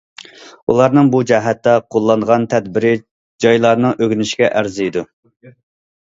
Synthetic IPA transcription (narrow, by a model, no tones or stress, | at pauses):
ṵlˠɑɾnɨŋbud͡ʒɛɦɛt̪ːɛqʰolˠːɑnʁɑnt̪ʰɛd̪̚bɪɾɪ | d͡ʒɑjlˠɑɾnɨŋʔøɡʲnɪʃɡʲɛʔæɾzijd̪u